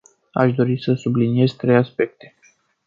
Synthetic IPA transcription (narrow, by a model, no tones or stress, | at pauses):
a̰ʃd̪o̞ɾisəsublinije̞zt̪ɾe̞jaspe̞k̚t̪e̞